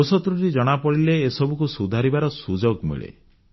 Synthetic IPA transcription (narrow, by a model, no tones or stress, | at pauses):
sɔt̪ɾuɾid͡ʒɔɽ̃apɔɽileːsɔbukusud̪ʱaɾibaɾɔsud͡ʒoɡmḭɭḛ